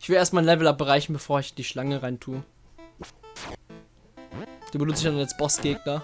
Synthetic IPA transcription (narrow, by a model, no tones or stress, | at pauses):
ʔɪçv̥ɪleːtmaɪnlɛvl̩ap̚bəʁaɪçn̩bəfoːɐɪçd̥iːʃlaŋəʁaɪntʰuːə | d̥uːbənʊnt͡stɪçd̥analsb̥ɔsɡ̥eːɡ̚nɐ